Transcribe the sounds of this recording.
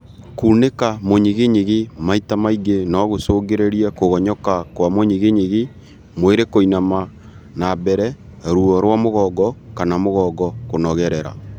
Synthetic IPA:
kunekamoɲiɣeɲeɣimaitamaiɡenɔɣosoːɡeɾeɾiakoɣɔɲɔkakwamoɲeɣeɲeɣi | mweɾekoinama | nabɛɾɛɾuɔɾwamoɣɔːɡɔkanamoɣɔːɡɔkonɔɣɛɾɛɾa̰

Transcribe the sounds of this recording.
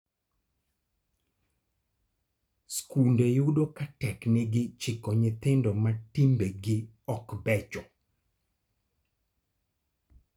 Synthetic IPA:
skundejudokatɛkneɡɪt͡ʃɪkɔɲɪt̪ɪndɔmatimbeɡɪ | ɔkbɛt͡ʃɔ

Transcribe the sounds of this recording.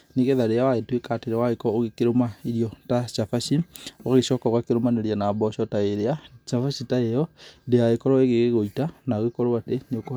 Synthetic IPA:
neɣeðaɾeawaetwekateɾewaɣekɔoɣekeɾomaiɾjɔtat͡ʃafaʃioaɣeʃɔkɔɣakeɾomaneɾanabɔʃɔtaeɾeat͡ʃafaʃitaejɔdeaekɔɾɔeɣeɣeɣoitanaoɣekɔɾɔwateneoko

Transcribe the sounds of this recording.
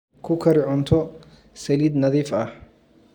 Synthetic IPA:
kʰʊkʰɐɾɪʕʊnt̪ʰɔ | sɐliːd̪nɐðiːfɐh

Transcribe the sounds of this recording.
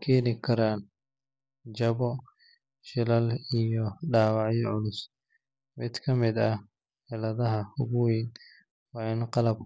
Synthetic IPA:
kʰɛːnɪkʰɐɾaːn | t͡ʃɐβɔ | ʃɪlɐlijɔɖaːwɑʕjɔʕʊlʊs | mɪd̪kʰɐmɪd̪ɐ | ħɪlɐðɐɦɐhʊɣʊwɛn | wɑːɪnqɑlɐb̚

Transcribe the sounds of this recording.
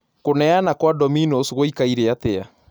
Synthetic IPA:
konɛanakwadɔminosɣoikaiɾeat̪ea

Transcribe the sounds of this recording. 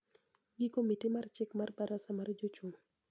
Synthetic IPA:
ɡɪkomitimart͡ʃɪkmarbaɾasamard͡ʒot͡ʃʊm

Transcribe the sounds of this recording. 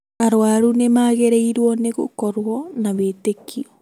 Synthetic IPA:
aɾwaɾunemaɣeɾeiɾwɔneɣo̰kɔɾwɔnaβetekiɔ

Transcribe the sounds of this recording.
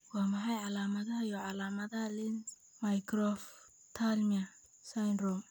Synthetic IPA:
wɑːmɐħɑjʕɑlaːmɐðɐɦɐjɔʕɑlaːmɐðɐlɪn | majkʰrɔf | t̪ʰalmiɐ | sajnrɔm

